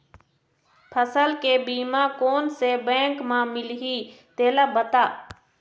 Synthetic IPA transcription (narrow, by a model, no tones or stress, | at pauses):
pʰəsəlkebiːmakoːnsebɛ̃ːŋkmãmɪlɦit̪eːlabət̪aː